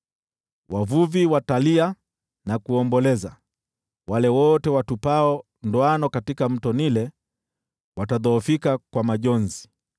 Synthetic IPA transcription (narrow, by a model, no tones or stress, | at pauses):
wʔavuviwatalia | nakuɔmbɔlɛza | walɛwɔtɛwatupaɔ | ndɔanɔkatikam̩tɔnilɛ | wataðɔːfikakwamaʄɔnzi